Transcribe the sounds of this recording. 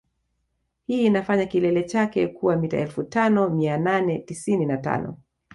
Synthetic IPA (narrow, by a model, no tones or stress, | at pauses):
hiːnafaɲakilɛlɛt͡ʃakɛkuwamita̰ɛlfutanɔmiananɛtisininata̰nɔ̰